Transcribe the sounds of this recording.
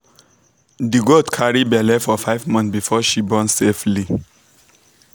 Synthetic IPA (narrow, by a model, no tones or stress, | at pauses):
diɡodkʰaɹibɛlɛfɔfaɪvmɔ̃nθbifɔʃibɔ̃nsefli